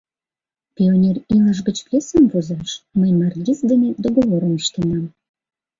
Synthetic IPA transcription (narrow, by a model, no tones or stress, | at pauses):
pʲionʲeriləʃ̬ɡət͡ɕplʲesəmvozɑʃməjmɑrɡʲisd̪ened̪oɣoβoɾəmiɕt̪ənɑm